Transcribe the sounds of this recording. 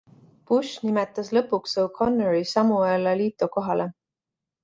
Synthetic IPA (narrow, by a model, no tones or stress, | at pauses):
puʃnimet̪ːˑɑslɤpːˑuksowkʰo̞nːeɾisɑmuɑelɑliːt̪ˑoko̞ɦɑlʔe